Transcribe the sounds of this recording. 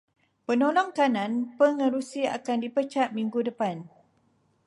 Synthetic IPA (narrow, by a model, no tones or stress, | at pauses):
pənolɔŋkanãnpəŋə̃ɾusia̰kandipət͡ʃaʔ̪̚mĩŋɡudəpan